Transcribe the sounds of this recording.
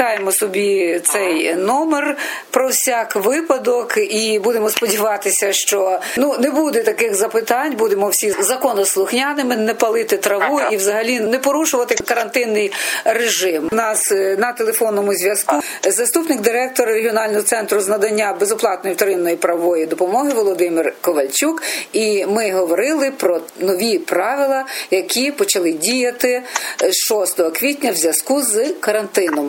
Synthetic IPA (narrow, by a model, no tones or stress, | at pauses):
ɑjemɔsɔbʲit̪sɛjnɔmer | pɾɔwsʲɑkʋɪpɐd̪ɔkibud̪emɔspɔdʲiʋɑt̪ɪsʲɐʃt͡ʃɔnunebud̪ɛt̪ɐkɪɣzɐpɪt̪ɑnʲbud̪emɔwsʲizɐkɔnɐslˠʊxnʲanɪmɪnɛpɐlˠɪt̪ɪt̪ɾɐʋuiwzɐɦɐlʲinɛpɔɾuʃʊʋɐt̪ɪkɐɾɐnt̪ɪnːɪjreʒɪmnɑsnɐt̪elˠefɔnːɔmʊzʲʋʲjɐsku | zɐst̪upnɪɡ̚d̪ɪɾɛk̚t̪ɔɾɐɾeɦʲiɔnɑlʲnɔɦɔt̪sɛnt̪ɾʊznɐd̪ɐnʲːabezʊplˠɑt̪nɔjiwt̪ɔɾɪnːɔjipɾɐʋɔjid̪ɔpɔmɔɦɪʋɔlˠɔd̪ɪmirkɔʋɐlʲt͡ʃʲukimɪɦɔʋɔɾɪlˠɪpɾɔnɔʋʲipɾɑʋɪlˠɐjɐkʲʰipɔt͡ʃɐlˠɪdʲijɐt̪ɪʃɔst̪ɔɦɔkʋʲitʲnʲɐwzʲjɐskuzkɐɾɐnt̪ɪnɔm